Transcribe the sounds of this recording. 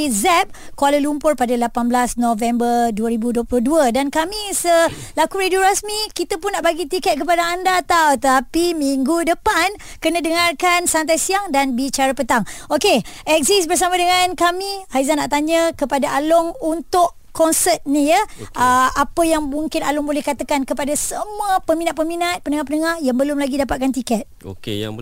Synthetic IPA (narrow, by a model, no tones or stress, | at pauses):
zɛp̚kualəlumpʊrpadalapanbəlasnovɛmbərduəɾibuduoplʊhduədankamisəlakuɾeduɾasmikit̪apʊnːaʔbaɡit̪ikɛt̪̚kəp̬adaandat̪awt̪apimiŋɡudəpan | kənə̃dəŋarkansant̪ajsiaŋdanbit͡ʃaɾəpət̪aŋokeʔɛk̚zisbərs̬amãdəŋankamihaizanːaʔt̪aɲəkəpadaʔalʊŋunt̪ʊʔ | kːɔnsət̪̚nijəʔəʔapəjaŋmuŋkɪnalʊŋbolɛhkat̪akankəpadasəmuəpəmĩnat̪ʔ̪̚pəminat̪̚pəndəŋahpənəŋahjaŋbəlʊmlaɡidapat̪̚kant̪ikɛt̪̚o̰ke